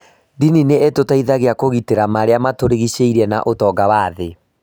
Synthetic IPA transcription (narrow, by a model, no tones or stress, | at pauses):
dinineetotaiðaɣeakoɣiteɾamaɾeamatoɾeɣiɕeiɾɛna̰ʔotɔːɡawaðe